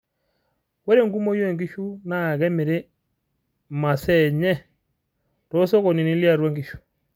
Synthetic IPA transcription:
wɛ˦ɾe˨ŋɡu˦mɔ˦jɔ˦ɛ˨ŋɡi˦ʃu˦na˦˨ɣɛ˦mɛ˨ɾe˦ | ma˨sɛ˦˨ɲɛ˦ | tɔ˦sɔ˦kɔ˨ni˨ni˦li˦a˨ɾwa˦ŋɡi˦˨ʃu̥˨

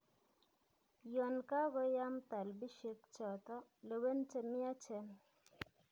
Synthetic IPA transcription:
jɔ˨nka˦ɡɔ˦ja˦mt̪a˨lbi˦ʃe˦k̚t͡ʃɔ˨t̪ɔ˦le˨we˦nt͡ʃe˦mɪ˦a˦t͡ʃe˨n

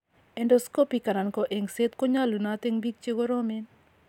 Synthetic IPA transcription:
ɛ˦ndɔ˦sko˦pi˨ka˨na˨nkɔ˨ʔe˨ŋse˦t̪ko˦ɲa˦lu˨nat̪e˦ŋbi˦k̚t͡ʃe˦ɡo˦ɾɔ˦mɪ˦n

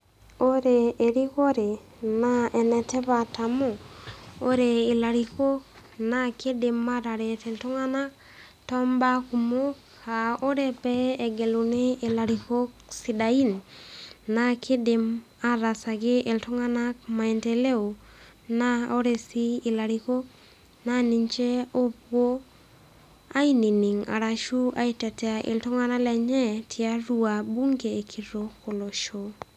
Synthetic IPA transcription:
o˦ɾeː˨ɾi˦ko˦ɾe˨ | na˦ɛ˨nɛ˨tɛ˦pa˨ta˨mo˦o˦ɾe˨i˨la˨ɾi˨ko˦k̚ | nake˦de˨ma˦ɾa˨ɾe˨te˨ltu˦ŋa˦na˦k | tɔ˦mba˦ku˨mo˦k | a˨o˦ɾe˦pɛː˦˨ɡe˨lu˨neː˦˨la˨ɾi˨ko˦ksi˨da˨i˦nː | akʰi˦de˨m | a˦ɾa˨sa˨ɡɪ˦ʔe˨ltɔ˦ŋa˦na˦k̚ma˨ɛ˨ntɛ˨le˦o˨ | na˦o˦ɾe˨si˦ɪ˨la˨ɾi˦ko˦ | nani˦ɲt͡ʃɛ˦o˦pwo˦ | a˦i˦ni˨ni˨ŋa̰˨ɾa˨ʃu˦a˦i˦tɛ˨tɛ˨a˨ʔɪ̰˨ltɔ˦ŋa˦na˦lɛ˨ɲɛ˦tʰɪ˨a˦ɾu˦a˨bu˦ŋɡeː˨kʰi˨ɾo˨ko˨lo˨ʃo˨

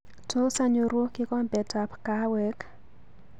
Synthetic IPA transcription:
tʰo˦sa˦ɲu˨ɾu˦kɪ˦kɔ˦mbɛ˨ta˨pka˦wɛ˦k

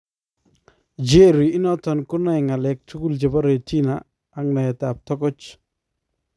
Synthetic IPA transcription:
d͡ʒe˦ɾi˨i˦nɔ˦t̪ɔ˨nkʊ˦na˦jŋa˨lɛ˨k̚tʰu˦ku˦ld͡ʒe˨ba˦ɾe˨tʰi˦na | a˦ŋna˨ja˨ta˨p̚tɔ˦kɔ˦t͡ʃ

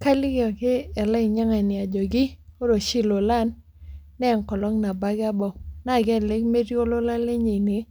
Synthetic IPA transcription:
ka˦lɪ˦ɡɔ˨kɪ˦ɛ˨lɛ˦ɪ˨ɲa˦ŋa˨nɪ˨a˨d͡ʒɔ˨ɡɪ˦o˦ɾo˨ʃi˦lo˨la˦˨nː | ɛ˦˨ŋkɔ˨lɔ˦ŋna˨ba˦ɡa˦bɔ˨na˦˨ɡɛ˦˨le˦kme˦ɾjo˦lo˦la˦le˦ɲe˨nɪ˨˦

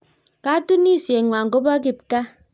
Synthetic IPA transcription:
ka˦tu˦ni˦˨sje˨ŋʷa˨ŋ̩˨ko˦ba˦k̬i˨p̚ka˦

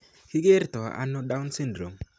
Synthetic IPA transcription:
kɪ˦ɡe˦ɾtɔ˨ʔa̰˦no˦da˦ʊ˦nsɪ˦ndɾo˨m

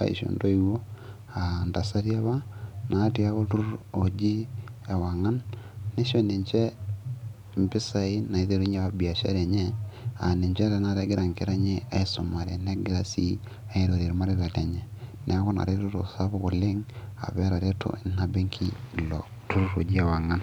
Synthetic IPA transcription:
a̰˨ḭ˨ʃo̰˨ndo˦iwo˦ | anda˨sa˦ɾja˦βa˦na˨tia˦βo˦tu˦ɾu˦ɾo˨d͡ʒi˦e˨wa˨ŋa˦nne˦ʃo˦ne˨ɲt͡ʃe˦ | mbi˦sa˨i˦na˨i˦ðe˨ɾu˦ɲe˦βa˦bja˨ʃa̰˦ɾe˨ɲe˦a̰˨ne˨ɲt͡ʃe˦ɾana˨ɾe˦ɡe˦ɾa˨ŋke˦ɾa˦ɲe˦a˨i˦so˨ma˨ɾe˨ne˦ɡe˦ɾa˦si˦ | a˦i˦ɾo˨ɾe˨ɾi˨ma˦ɾiɾa˨te˨ɲe˨nʔe˨˦ko˦na̰˨ɾe˦toto̰˨saβo˦ɣo˨le˦ŋa̰˨βɛɾa˨ɾe˦tʰo̰na˦be˦ŋkʰi˦˨lo | tu˦ɾu˦ɾo˨d͡ʒi˦a˨wa˨ŋa˦n

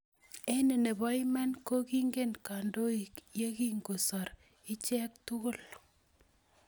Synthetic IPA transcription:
e˦ne˨ne˨bɔ˦i˦mɛ˦nko˦ki˦ŋɡe˦nka˨ndo˦i˨kje˦ki˦ŋɡo˨sɔ˨ɾ | ɪ˦t͡ʃɛ˦k̚tʊ˦kʊ˦˨l

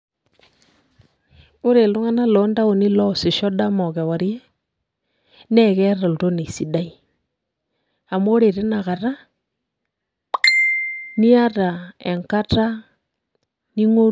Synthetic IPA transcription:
o˦ɾe˨lo˦ŋa˦na˦lɔ˨˦nda˦o˨ni˦lɔ˦se˨ʃɔ˦da˦mɔ˨ɣɛ˨wa˨ɾi˦ɛ˦ | nɛ˦ɣɛ˦ɾa˨lu˨ɾo˦ne˨si˨da˦i˨ | a˨moː˦ɾe˨ɾe˦na˨ɣa˨ɾa˦ | ni˦a˦ɾa˨e˨ŋka˦ta˦ | ni˦ŋo˦

